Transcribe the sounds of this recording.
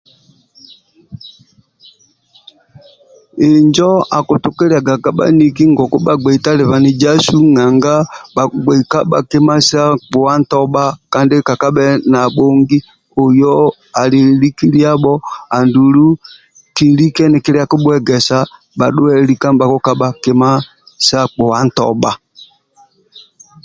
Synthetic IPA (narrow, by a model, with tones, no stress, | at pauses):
e˨ɲd͡ʒɔ˦a˨ku˨tu˨kɛ˦ɾa˨ɡa˨ka˨ɓa̰˦ni˨ki˦ŋɡɔ˨kɔ˦ɓa˨ɡ͡bɛ˨i˨ta˦lɛ˨βa˨ni˨d͡ʒa˦su˦ŋa˨ŋɡa˦ɓa˨ɡ͡bɛ˨i˨ka˦ɓa˨ke˦ma˦sa˦k͡pu˨wa˦n˦tɔ˦ɓa˦ka˦nde˦ka˨ka˦ɓɛ˦na˨ɓo˦ŋɡi˦ | o˨jɔ˦ | a˨li˨li˦ki˦li˦a˦ɓɔ˦a˨ndu˨lu˦ | ki˨li˦kɛ˦nɪ˨kɪ˦ɾi˦a˦ku˦ɓwɛ˦ɡɛ˨sa˨ | ɓa˨ɗʊ˦ɛ˦li˦ka˦ba˨ku˦ka˦ɓa˨ke˦ma˦ | sa˦k͡pɔ˨wa˦n̩˦˨tɔ̰˨ɓa˨